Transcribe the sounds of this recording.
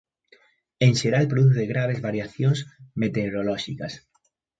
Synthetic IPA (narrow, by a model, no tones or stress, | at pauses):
eŋʃeɾalpɾoðuθeɣɾaβ̞ezβaɾjaθjoŋsmet̪eɾolɔʃikas